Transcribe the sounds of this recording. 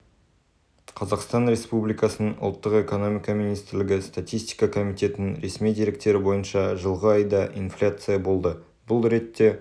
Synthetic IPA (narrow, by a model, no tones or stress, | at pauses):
qʰɑzɑqst̪ɑnɾe̞spublijkɑsənənʔʊ̰lˠt̪ːəqe̞ko̞no̞mʲijkɑminijst̪ɪɾlɪɡʲɪst̪at̪ijst̪ijkɑkʰo̞mijt̪e̞t̪ɪnɾe̞smijd̪e̞ɾɪk̚t̪e̞ɾɪbo̞jənʃɑʒəlˠʁəɑjd̪ɑʔinflʲat̪sɨjabo̞lˠd̪ə | bʊlˠɾe̞t̪ːe̞